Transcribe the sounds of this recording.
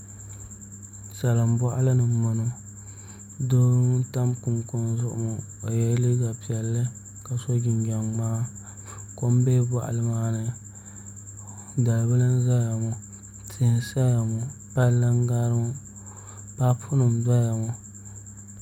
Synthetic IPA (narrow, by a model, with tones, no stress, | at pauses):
sa˨lɨ˨m˦bɔ˦ʔa̰˦lɨ˦nɨ˨ma˨no˨ | do˦ɾta˦mku˨nkʊ˨n˨zʊ˦ʔʊ̰˨mʊ˨ | o˨jɛ˦li˦ɡa˨pi˨ɛ˨lːɨ˦ | ka˨so˦ɡɪ˨ɲɡa˨ŋmaː˦ | ko˦m˦beː˦ba˦˨ʔa̰˨lɨ˦maː˦nɨ˨ | da˨lbɨ˦la˦n˦za˦ja˨mʊ˨ | tʰɪ˨nsa˦ja˨mʊ˨ | pa˦la˦ŋɡa˦ɾɨ˦mʊ˦ | ba˦pʰʊ˦nʊ˨mda˦ja˨mɔ˨